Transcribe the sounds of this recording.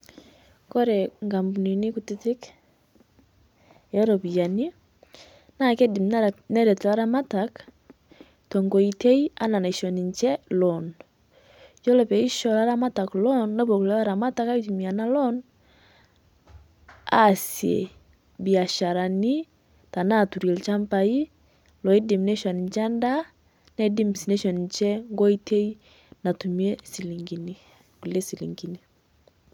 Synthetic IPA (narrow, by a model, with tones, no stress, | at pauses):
kɔ˦ɾe˨ŋɡa˨mbu˨ni˨ni˦ku˨ti˦ti˦k | jɔ˦ɾɔ˨βi˨a˨ni˦ | na˦kɛ˦di˨mnɛ˦ɾɛ˨tu˨la˦ɾa˦ma˦tak | tɔ˨ŋɡɔ˨i˨tɛ˦i˦a˦na˨na˨i˨ʃɔ˨ni˨ɲt͡ʃɛ˦lɔ˨n | jɔ˦lɛ˨βɛ˨i˦ʃɔ˨la˦ɾa˦ma˦ta˨klɔ˦nna˦βo˨ku˨lɛ˦βa˦ɾa˨ma˦ta˦ka˦i˦ti˨mi˨a˨na˦lɔ˦n | a̰sjḛ˨ | bi˨a˨ʃa˨ɾa˨ni˦ | ta˨na˦˨tu˨ɾi˨lt͡ʃa˦mpa˨i˦ | lɔ˨i˦di˨m˨nɛ˦ʃɔ˨n˨nt͡ʃɛ˦nda˦ | nɛ˦di˦msi˨nɛ˦ʃɔ˨nɲt͡ʃɛ˦ŋɡɔ˦i˦tʰɛ˦i˦ | na˨tu˨miɛ˦si˨li˨ŋɡi˨ni˨ | ku˨lɛ˦si˨lḭ˨ŋɡi˨ni˨